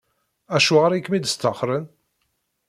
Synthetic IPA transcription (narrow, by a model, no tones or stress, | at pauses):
æʃuʁəɾikːmid̪st̪əχɾən